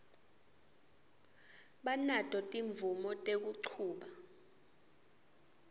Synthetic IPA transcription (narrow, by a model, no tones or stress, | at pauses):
ɓanatʼɔtʼiɱvumɔtʼek̬uǀʰuːɓa